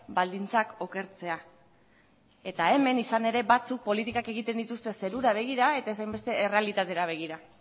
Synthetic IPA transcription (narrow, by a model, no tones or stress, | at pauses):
bald̪int͡sako̞ke̞ɾt͡se̞a | e̞t̪ae̞me̞nisane̞ɾe̞bat͡suk̚po̞lit̪ikake̞ɣ̞it̪e̞nd̪it̪ust̪e̞se̞ɾuɾaβ̞e̞ɣ̞iɾae̞t̪aesajmbe̞st̪e̞ːre̞alit̪at̪e̞ɾaβ̞eɣ̞iɾa